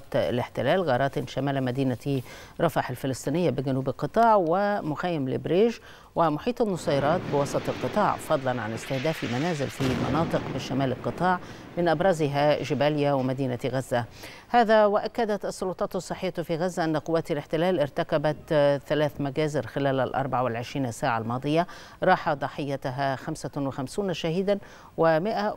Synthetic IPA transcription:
t̪lɪħt̪ɪlæːlɣɑːɾˤɑːt̪ɪnʃamaːlamad̪iːnai | ɾˤɑfɑħalfɪlɨsˤt̪ˤiːnɪjːabɪɡænuːbɪlqɨt̪ˤɑːʕwɪmʊxajːɪmlɪ̰bɾeːʒ | wɪmʊħiːt̪ˤɑnːɑsˤɑːjɑɾˤɑːt̪̚bɪwɑsˤɑt̪ˤɪlqɨt̪ˤɑːʕfɑd̪ˤlɑnʕa̰lɪst̪ɪhd̪æːfimænæːzɪlfimɑ̰nɑːt̪ˤɨqmɪʃamaːlɪlqɨt̪ˤɑːʕ | mɪnʔabɾˤɑzɪɦaʒɪbaːlɪjawɪmad̪iːnaɣazːa | haːðawaʔakːad̪at̪ɑsˤːʊlʊt̪ˤɑːt̪ɑsˤːɨħːɪjːat̪fiɣazːaʔanːaqʊwːaːt̪alɪħt̪ɪlaːlʔɪɾt̪akabat̪θalaːθmaɡaːzɪɾxɪlaːlalʔɑ̰ɾˤbaʕawɪlʕɪʃɾiːnasːaːʕalmɑːd̪ˤɨja | ɾˤɑːħad̪ˤɑħɪjːat̪ɦaxamsawɪxamsuːnʃahiːd̪an | wɪmɪʔa

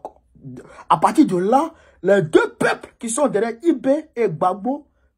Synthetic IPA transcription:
apaɾt̪id̪ola | lɛd̪øpeplkisɔ̃d̪eɾɛibeeɡ͡baɡ͡bo

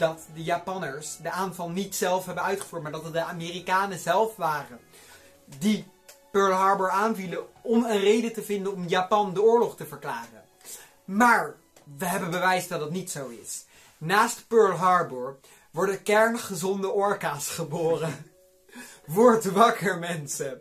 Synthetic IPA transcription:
d̥ɑtdəjaːpɑnəɹsdəaːnvɑlˠnitsɛlˠfɦɛbənœɥtχəvuːɹt̚maːɹdɑtdəaːmeːrikaːnəzɛlˠfʋaːrə | di | pøːɹlɦɑːɹbəɹaːnviləɔmənrejdətəvɪndənɔmjaːpɑndəʊːɹlɔχtəvəɹklaːrə̰n | maːɹ | ʋəɦɛbənbəʋɛjsdɑt̚dɑtnitsowɪ̰s | naːstpøːɹlɦɑɹbəɹ | ʋɔɹdəkɛɹnχəzɔndəʔɔɹkaːsχəboːrə | ʋɔɹtʋɑkəɹmɛnsə

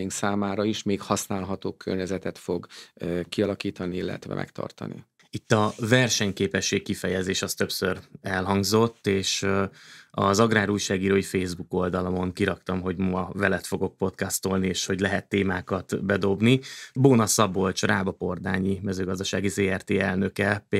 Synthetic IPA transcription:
iŋksaːmaːɾɒiʃmeːkhɒsnaːlɦɒt̪oːkʰø̰rɲɛzɛt̪ɛt̪fo̞ɡkiɒlɒkiːt̪ɒniilːɛ̰t̪ʋɛ̰mʔɛ̰kt̪ʰɒ̰rt̪ɒ̰nḭ | it̪ːɒvɛrʃɛɲkeːpɛʃːeːkkifɛjɛzeːʃɒst̪ø̞psøɾɛlɦɒŋɡzo̞t̪ːeːʃ | ɒ̰zɒɡraːɾujʃaːɡiːɾoːjifeːzbuko̞ld̪ɒlɒmo̞ŋkiɾɒkt̪ɒmɦo̞ɟmɒvɛlɛt̪fo̞ɡo̞k̚po̞t̪kɒst̪o̞lnieːʃho̞ɟlɛɦɛt̪ːeːmaːkɒt̪bɛd̪o̞bniboːnɒsɒbo̞lt͡ʃraːbɒpo̞rd̪aːɲimɛzøːɡɒzd̪ɒʃaːɡizeːɛrt̪eːɛlnø̞kɛ

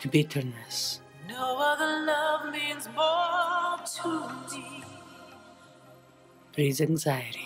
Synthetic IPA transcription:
bɪtʰəɾnəs | noʊʌðəlʌvmĩnzbɔ | tʰumi | b̥ɾizɛ̃ŋzajəɾi

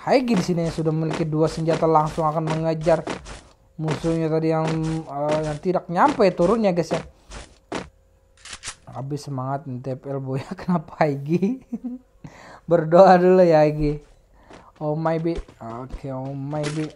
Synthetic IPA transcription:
haiɡidisinijasudammilikiduasəɲd͡ʒat̪alaŋsʊŋakanməŋad͡ʒar | musuɲat̪adijaŋəjaŋt̪idak̚ɲampajt̪uɾʊnɲaɡasja | a̰bɪsəmaŋat̪̚nt̪epɛlbojakə̥napḁaiɡi | bərdoadulajaɦaiɡi | omaibikʰeomajbi

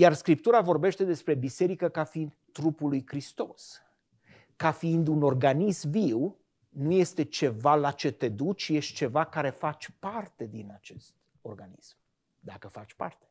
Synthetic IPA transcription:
jarskɾipt̪uɾavo̞rbe̞ʃt̪e̞d̪e̞spɾe̞bise̞ɾikəkafiind̪t̪ːɾupulujkɾist̪o̞s | kafiind̪uno̞rɡanismviw | nuje̞st̪e̞t͡ʃe̞valat͡ʃe̞t̪e̞d̪ut͡ʃjeʃt̪̚t͡ʃe̞vakaɾe̞fat͡ʃʲpart̪e̞d̪inat͡ʃe̞st̪ | o̞̰rɡanḭsm | d̪akəfat͡ʃʲpa̰rt̪e̞

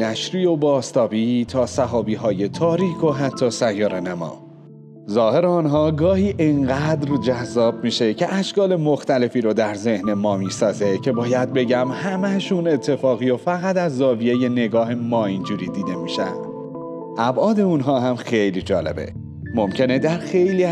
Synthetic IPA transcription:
næʃɾiːo̞bɒːst̪ɒːbiːt̪ʰɒːsæɦɒːbiːɦɒːje̞t̪ʰɒːɾiːkʰo̞ɦæt̪ʰːɒːsæjːɒːɾenæmɒ̰ː | zɒːhe̞ɾeɒːnɦɒːɡɒːhiːʔeŋɢæd̪ɾd͡ʒæzːɒːb̚miːʃe̞cʰe̞ʔæʃkɒːle̞moxt̪æle̞fiːɾod̪æɾze̞hnemɒːmiːsɒːze̞cʰe̞bɒːjæd̪̚be̞ɟæmhæmæʃune̞t̪ʰːe̞fɒːɣiːjofæɣæt̪æzːɒːvijeje̞ne̞ɡɒːɦemɒːind͡ʒuːɾiːd̪iːd̪e̞miːʃæ̰nd̪̥ | ʔæbʔɒːd̪e̞unɦɒːɦæmxejlid͡ʒɒːle̞̰be̞̰ | mo̞mcʰe̞ne̞d̪æɾxejliː

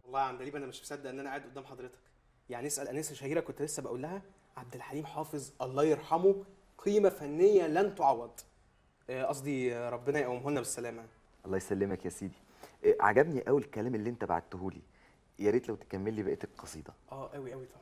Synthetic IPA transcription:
ʔɑlˤːɑːjʕand̪æliːbʔænæmeʃbesæd̪ːʔenːænæʔaːed̪ʔod̪æːmħɑd̪ˤɾet̪ɑ̥k | jaʕniesʔælʔænæːseʃæhiːɾækont̪elesːæbæʔuːlːæhæ | ʕab̚d̪elħaliːmħɑːfezˤʔɑlˤːɑːjeɾˤħɑmo | qʰiːmæfænːejːælænt̪oʕɑwːɑd̪ˤ | ʔɑs̬ˤd̪iɾˤɑbːenɑjeʔæwæmɦolnæbesːælæːmæ | ʔɑlˤːɑːjsælːemækjæsiːd̪i | ʔʕa̰ɡæbniʔæwilkːælæːmʔelːiːʔent̪æba̰ʕa̰d̪̚t̪oɦuːlḭ | jæɾiːt̪læwt̪e̥kæmːelːiːbæʔeːt̪ækqɑsˤḭːd̪ˤɑʔæːʔæwiʔæwit̪ʰˤɑbʕ

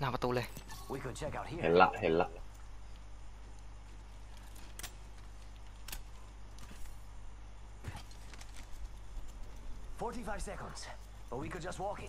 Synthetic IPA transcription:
naːpat̪uːlewikʰəd̚t͡ʃʰɛkaʊt̚hihenlːa̰ʔhellaʔ | fɔɹɾifaɪv̥sɛkə̃ndz̥ | b̥ət̚wikɨd̚d͡ʒʌst̚wɔkɪ̃

